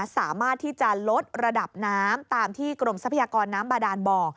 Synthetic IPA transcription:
saː˩˦maː˥˩t̪ʰːiː˥˩t͡ɕa˨˩lo˦˥t̪̚ɾa˧da˨˩p̚naː˦˥mt̪aː˧mt̪ʰiː˥˩kɾo˧msa˦pʰa˧jaː˧kɔː˧nːaː˦˥mbaː˧daː˧nbɔː˧

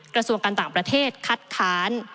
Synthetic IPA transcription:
kɾa˧su˧əŋkaː˧nt̪aː˨˩ŋpɾa˧t̪ʰeː˥˩t̪̚kʰa˦˥t̪̚kʰaː˦˥n

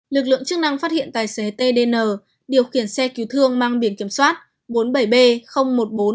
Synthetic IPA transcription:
lɨ˨˩k̚lɨ̰˧˨əŋt͡ɕɨ˦˥k̚na˧ŋfaː˦˥t̚hḭ˧˨ənt̪aː˨˩jse˨˦t̪e˧ɗe˧nəː˨˩ | ɗi˨˩əwxi˧˩ənsɛ˧ki˨˦wt̪ʰɨ˧əŋmaː˧ŋɓi˨˧˩ənki˧˩əmswaː˦˥t̚ | ɓo˨˦nɓə˧˩jɓe˧xə˧wŋ͡mmo˨˩t̚ɓo˨˦n

